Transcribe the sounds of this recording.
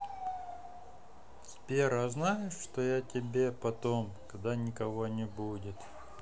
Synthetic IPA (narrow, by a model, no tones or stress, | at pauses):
spʲeɾaznajɪʂʂt̪ojatʲɪbʲe̞pɐt̪o̞mkɐd̪anʲɪkɐvo̞nʲɪbudʲɪt̪